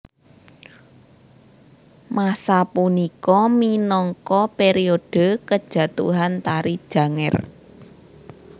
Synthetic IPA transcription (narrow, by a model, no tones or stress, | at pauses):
masapunikɔminɔŋkɔpeɾiod̥ə̤kəd̥ʒ̥ä̤t̪ṵɦant̪aɾid̥ʒ̥ä̤ŋɛ̰r